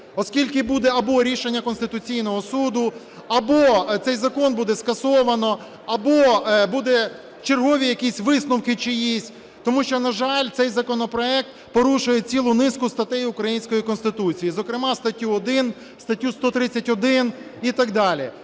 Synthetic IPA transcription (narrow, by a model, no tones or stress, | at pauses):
ɔskʲilʲkɪbud̪ɛɐbɔɾʲiʃenʲːɐkɔnst̪ɪt̪ʊt͡sʲijnɔɦɔsud̪ʊ | ɐbɔt̪sɛjzɐkɔnbud̪ɛskɐsɔʋɐnɔ | ɐbɔbud̪ɛ | t͡ʃerɦɔʋʲijɐkʲisʲʋɪsnʊwkɪt͡ʃɪjisʲtʲ | t̪ɔmuʃt͡ʃɔnɐʒɑlʲt̪sɛjzɐkɔnɔpɾɔɛk̚t̪̚ | pɔɾuʃʊjɛt͡sʲilˠʊnɪskʊst̪ɐt̪ɛjʊkɾɐjinʲsʲkɔjikɔnst̪ɪt̪ut͡sʲijizɔkɾɪmɑst̪ɐtʲːuɔd̪ɪn | st̪ɐtʲːust̪ɔt̪ɾɪt͡sʲːɐtʲɔd̪ɪnit̪ɐɡd̪ɑlʲi